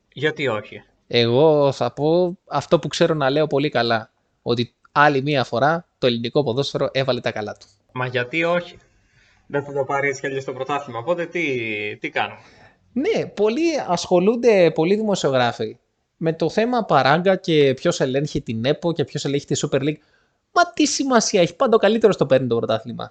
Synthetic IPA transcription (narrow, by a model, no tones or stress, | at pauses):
ʝɐt̪io̞çi | e̞ɣo̞θɐpo̞ɐft̪o̞pukse̞ɾo̞nɐle̞o̞po̞likɐlɐ | o̞t̪i | ɐlimiɐfo̞ɾɐt̪o̞elinikopo̞ðo̞sfe̞ɾo̞ʔe̞vɐlet̪ɐkɐlɐt̪u̥ | mɐʝɐt̪io̞çi̥ | ðeθɐd̪opɐɾiskeʎest̪opɾot̪ɐθimɐopo̞t̪e̞t̪it̪ikɐno | ne̞po̞liɐsxo̞lund̪e̞po̞liðimo̞sio̞ɣɾɐfi | me̞t̪o̞θe̞mɐpɐɾɐŋɡɐce̞pço̞se̞le̞nçet̪ine̞po̞ce̞pço̞se̞le̞nçe̥t̪isupe̞ɾliɡ | mɐt̪isimɐsiɐe̞çi̥pɐnd̪okɐlit̪eɾot̪o̞peɾnit̪o̞pɾo̞t̪ɐθlimɐ̰